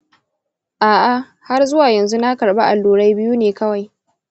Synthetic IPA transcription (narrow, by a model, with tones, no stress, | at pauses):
ʔaː˨ʔa˨ | ha˦rzʊ˦waː˨jɐ˨nzu˦na˦kɐ˨ɽba˦ʔa˨lːuː˨ɽa˦jbɪ˦juː˦neː˨kɐ˦wa˨j